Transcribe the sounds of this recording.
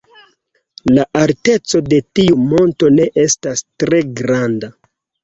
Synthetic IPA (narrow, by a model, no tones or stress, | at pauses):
laʔalte̞t͡so̞de̞tiumo̞nto̞ne̞ʔe̞stastɾe̞ɡɾanda